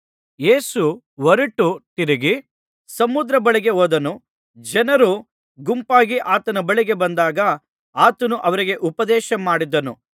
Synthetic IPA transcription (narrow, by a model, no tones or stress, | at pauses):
je̞ːsu | ʋɐɾiʈuʈiɾiɡi | sɐmud̪ɾɐbɐɭiɡe̞oːd̪ɐnu | d͡ʒɛnɐɾu | ɡumpaːɡiʔaːt̪ɐnɐbɐɭiɡe̞bɐnd̪aːɡɐ | aːt̪ɐnuʔɐʋɐɾiɡe̞ʔupɐd̪ɛːʃɐmaːɽid̪ɐnu